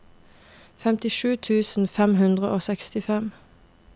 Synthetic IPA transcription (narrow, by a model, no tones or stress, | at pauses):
fɛmt̪ɪʃʉːt̪ʰʉːsn̩fɛmhʉnd̪ʁəʔoːsɛkst̪ɪfɛm